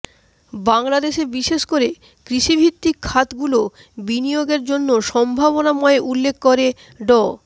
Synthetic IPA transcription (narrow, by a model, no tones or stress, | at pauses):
baŋlad̪eʃebiʃeʃkoɾe | kɾiʃibʱit̪ːikʰːat̪ɡulo | binijoɡeɾd͡ʑonːoʃɔmbʱaβonamɔeʔulːekʰːkoɾe | ɖɔ